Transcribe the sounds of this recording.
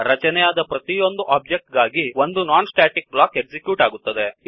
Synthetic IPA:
ɾɐt͡ʃɐnɛjaːd̪ɐpɾɐt̪ijo̞nd̪uʔaːb̚d͡ʒek̚ʈ̚ɡaːɡio̞nd̪unaːnsʈaːʈik̚blaːke̞ɡsikjuːʈaːɡut̪ːɐd̪e

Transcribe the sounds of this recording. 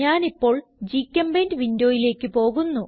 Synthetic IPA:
aːnipːo̞ːɭd͡ʑikʲːɐmbeːndʋindjoːjile̞ːkːɨpo̞ːɣunːu

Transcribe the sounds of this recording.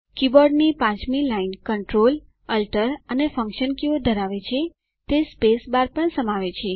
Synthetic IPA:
kibɔɾɖnipãt͡ʃmilainkəɳʈɾol | əlʈəɾənefə̃ŋkʃənkjiod̪ʱəɾaʋet͡ʃʰe | t̪espesbaɾpəɳsəmaʋet͡ʃʰe

